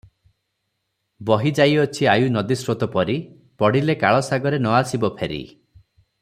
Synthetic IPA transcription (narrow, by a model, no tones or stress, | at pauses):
bɔɦid͡ʒajɔt͡ʃʰiajunɔd̪isɾot̪ɔpɔɾi | pɔɽilekaɭɔsaɡɔɾenɔasibɔpʰeɾḭ